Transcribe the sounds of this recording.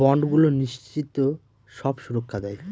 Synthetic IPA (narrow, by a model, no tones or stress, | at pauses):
ɔɳɖɡuloniʃt͡ɕit̪o | ʃɔbʃuɾokʰːad̪ɛe